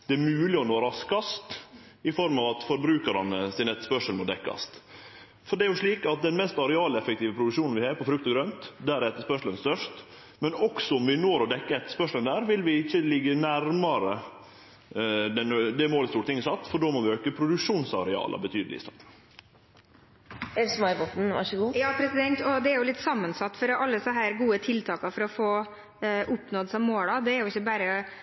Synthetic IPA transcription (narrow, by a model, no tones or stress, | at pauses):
d̪̥ɛæɾmʉːlɪɔnoːɾɑskɑst̪ | ɪfɔɾmɑʋɑt̪fɔɾbɾʉːkɑɾɑnəsɪnɛt̪ːə̥spœʂəlmɔd̪ɛkːɑ̰st̪ | fɔɖɛæɾjʊʂɭiːkɑt̪̚d̪ɛnmɛst̪ɑɾɛɑːləɛfək̚t̪iːʋəpʰɾʊd̪ʉkʂuːnn̩ʋɪhɑːɾpɔfɾʉkt̪ɔɡɾœnt̪d̪æɾɛt̪ːəʂpœʂələnst̪œʂt̪ | mɛnɔksɔɔmʋɪnoːɾɔd̪ɛkːəɛt̪ːə̥ʂpœʂlənd̪æːɾʋɪlʋɪɪçːəlɪɡːənæɾmɑɾə | d̪ɛnd̪ɛmoːlst̪uːɾət̪ʰɪŋːəsɑt̪ːfɔɖoːmɔːʋɪøːkəpʰɾʊd̪ʉkʂuːnsɑɾɛɑ̰ːlʔə̰bət̪ʰyːd̪əlɪ̰st̪ɑːʈ̪n | ɛɾsmɑɪbɔt̪n̩ʋɑ̰ʂəɡuːjɑːpʰɾɛsɪd̪ɛnt̪ɔd̪ɛæɾjʊlɪt̪ːsɑmːənsɑt̪ːfɔɾɔʔɑlːəsəɦæːɾɡuːət̪ʰɪlt̪ʰɑːkɑfɔɾɔfoː | ʔʊpnoːd̪sɔmːoːlɑd̪ɛæɾjʊɪçːəbæːɾə